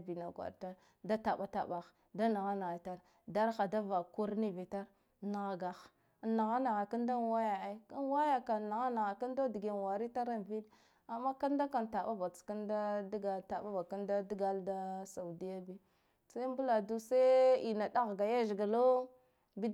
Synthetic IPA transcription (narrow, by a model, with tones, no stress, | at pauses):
bi˨na˨ɡwa̰˨ɾta˦ | da˦ta˨ɓa˦ta̰˨ɓa˨x | da˦na˨ɣa˦na˨ɣa˨ta˨ɾ | da˦ɾxa˨da˦va˨ku˦ɾni˦vi˨ta˦ɾ | na˨ɣa˨ɡa˨x | na˨ɣa˦na˨ɣa˨ka˦nda˦wa˦ja˨e˦ka˦n˦wa˦ja˨ka˨na˨ɣa˦na˨ɣa˨ka˦nda˦di˨ɡe˨n˨wa˨ɾi˦ta˦ɾa˦n˨vi˦d | a˨mːa˦ka˦nda˦ka˨nta˨ɓa˦ba˨t͡ska˦nda˦dɡa˨lta˨ɓa˦ba˨ka˦nda˦di˦ɡa˦lda˦sa˨u˨di˦ja˦bi˦ | sa˦m˦bu˦la˨du˦sa˦i˨na˨da˦ɣɡa˨ja˦ʒɡa˨lo˦ | bi˦